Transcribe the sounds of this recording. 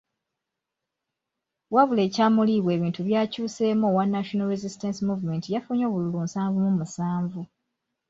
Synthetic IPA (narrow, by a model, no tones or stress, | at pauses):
waβule̞ːcaːmuliβwe̞ːβiːntuβjaːcuːse̞ːmowanːaʃonalɾezistensimuvume̞ntijafuɲo̞ːβululumsaːɱvumumusaːɱvu